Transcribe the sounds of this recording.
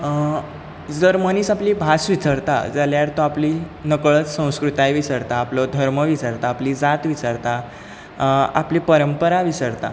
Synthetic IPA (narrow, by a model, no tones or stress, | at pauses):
d͡zəɾməniːsapliːbʱasʋit͡səɾt̪a̰d͡zaljaɾt̪ɔapliːnəkɭət͡ssə̃w̃skɾut̪ajʋisəɾt̪aːplɔd̪ʱəɾməʋisəɾt̪aːpliːd͡zat̪ʋisəɾt̪a | a̰pliːpəɾəmpəɾaʋisəɾt̪a̰